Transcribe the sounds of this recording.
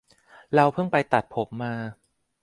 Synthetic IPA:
ɾa˧wpʰɯ˥˩ŋpa˧jt̪a˨˩t̪̚pʰo˩˦˥m̚maː˧

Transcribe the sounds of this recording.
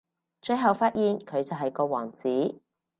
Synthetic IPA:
t͡ʃɵ˧ɥɦɐ˨wfaː˥t̚jiː˨˧nkʰɵ˨˧ɥt͡sɐ˨wɦɐ˨jkɔː˧wɔː˨˩ŋt͡siː˨˥

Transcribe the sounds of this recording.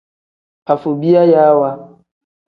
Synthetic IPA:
a˨fo˨bi˦a˦ja˦wa˦

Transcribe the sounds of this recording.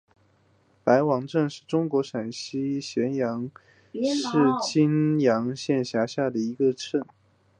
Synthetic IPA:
pa˧˥ɪwɑ˧˥ŋʈ͡ʂɤ˥˧nʂɻ̩˥˩ʈ͡ʂʊ˥ŋkwɔ˧˥ʂa˨˩nɕi˥ɕjɛ˧˥njɑ˧˥ŋ | ʂɻ̩˥˩t͡ɕi˥njɑ˧˥ŋɕjɛ˥˩nɕja˧˥ɕja˥˩d̪ə˩i˧˥ɡə˧ʈ͡ʂʰə˥˩n

